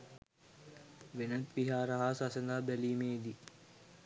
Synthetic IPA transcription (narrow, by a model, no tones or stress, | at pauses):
ʋenət̪ʋiɦaːɾɐɦasasend̪abɛliːmeːd̪i